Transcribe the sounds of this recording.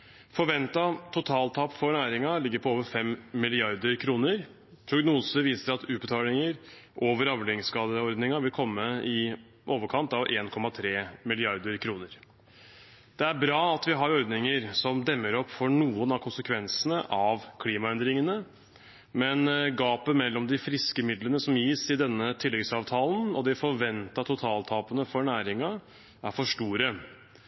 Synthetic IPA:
fɔɾʋɛnt̪ɑt̪ʰʊt̪ʰɑːlt̪ʰɑpfɔɾnæːɾɪŋɑlɪɡːəɾpʰɔoːʋəɾfɛmmɪlɪɑɾd̪əɾkʰɾuːnəɾ | pʰɾʊɡnuːsəʋiːsəɾɑt̪ʉːt̪bət̪ʰɑːlɪŋəɾ | ʔoːʋəɾɑʋlɪŋskɑːd̪əɔɾd̪nɪŋɑʋɪlkʰɔmːəɪ | ʔoːʋəɾkʰɑnt̪ɑʋʔeːnkʰɔmːɑt̪ʰɾeːmɪlɪɑɾd̪əɾkʰɾuːnəɾ | d̪̥ɛæɾbɾɑːɑt̪ʋɪɦɑɾɔɾd̪nɪŋəɾsɔmd̪ɛmːəɾɔpːfɔɳuːənɑʋkʰʊnsəkʰʋɛnsənəʔɑʋkʰliːmɑɛnd̪ɾɪŋənə | mɛnɡɑːpəmɛlːɔmd̪ɪfɾɪskəmɪd̪lənəsɔmjiːsɪd̪ɛnːət̪ʰɪlːɛɡsɑːʋt̪ʰɑːlən̩ɔd̪ɪfɔɾʋɛnt̪ɑt̪ʰʊt̪ʰɑːlt̪ʰɑːpənəfɔɳæːɾɪŋɑ | æɾfɔʂʈuːɾə

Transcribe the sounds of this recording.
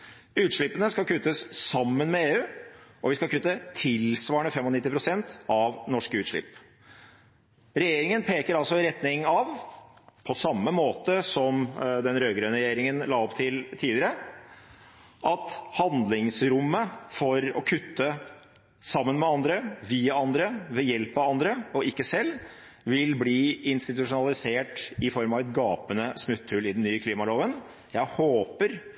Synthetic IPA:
ʉːt̪ʂɭɪpːənəskɑlkʰʉt̪ːəssɑmːənmɛeːʉːɔʋɪskɑlkʰʉt̪ːət̪ʰɪlsʋɑːəɳəfɛmɔnɪt̪ːɪpʰɾʊsɛnt̪ɑʋnɔʂkəʉːt̪ʂɭɪ̰p | ɾɛjeːɾɪŋənpʰeːkəɾɑlsɔɪɾɛt̪nɪŋɑʋpʰɔsɑmːəmoːt̪əsɔmd̪ɛnɾøːɡɾøːnəɾɛjeːɾɪŋənlɑːɔpt̪ʰɪlt̪ʰiːlɪəɾə | ʔɑt̪hɑnd̪lɪŋsɾʊmːəfɔɾɔ̰kʰʉt̪ːə | sɑmːənmɛɑnd̪ɾəʋiːɑɑnd̪ɾəʋɛjɛlpɑʋɑnd̪ɾəɔɪkːəsɛlː | ʋɪlbliːɪnst̪ɪt̪ʉʂʊnɑlɪseːʈɪfɔɾmɑʋɛt̪̚ɡɑːpənəsmʉt̪ʰːʉlɪd̪n̩nːyːəkʰliːmɑloːʋən | jæɪhoːpəɾ

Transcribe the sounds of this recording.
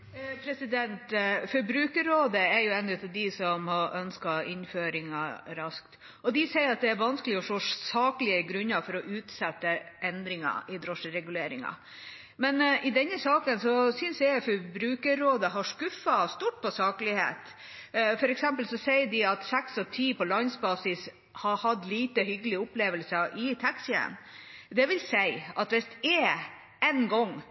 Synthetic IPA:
pʰɾɛsɪd̪ɛnt̪fɔɾbɾʉːkəɾoːd̪əæɾjʊɛnʉt̪ʰɛd̪ɪsɔmhɑʔœnskɑɪnføːɾɪŋɑ̰ɾɑskt̪ | ɔd̪ɪsɛɪəɾɑt̪̚d̪ɛæɾʋɑnskəlɪɔʂoːsɑːkəlɪəɡɾʉnːɑfɔɾɔʔʉːt̪sɛt̪ːəʔɛnd̪ɾɪŋɑ̰ʔɪd̪ɾɔʂɾɛɡʉleːɾɪŋɑ̰ | mɛnɪd̪ɛnːəsɑːkənsɔsʏnsjæɪfɔɾbɾʉːkəɾoːd̪əɦɑʂkʉfɑst̪uːʈ̚pʰɔsɑːkəlɪhḛːt̪ | fɔɾɛksɛmpəlsɔsɛɪəɖɪɑt̪sɛksɔt̪ʰiːpɔlɑnsbɑːsɪs | hɑhɑd̪liːt̪əɦʏɡəlɪəʊpleːʋəlsəʔɪt̪ʰæksjɛ̰nd̪ɛʋɪlsæɪɑt̪ʋɛst̪e | ɛnɡɔŋː

